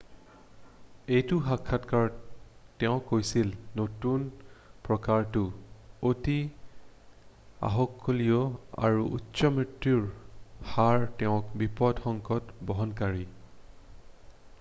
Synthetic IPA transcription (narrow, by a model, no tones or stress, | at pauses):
ejtʊxakʰːatkaɹtɛʊ̃kːojsilnotunpɹɔkaɹtʊoti | a̰ɦɔkʰːolijɔa̰ɹuṵtːsɔmɹitɹiɹhaɹtɛʊ̃kbipɔdxɔŋkɔtbɔɦɔnkaɹi